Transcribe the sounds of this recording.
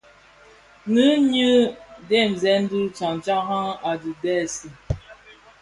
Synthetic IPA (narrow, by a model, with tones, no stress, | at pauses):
nɨ˦ɲɨ˦de˦˨m˨zɛ˨˦n̩˦du˦t͡sa˨ŋ˨t͡ʃa˦ŋɦa˦ŋa˨du˨dɛ˦˨si˦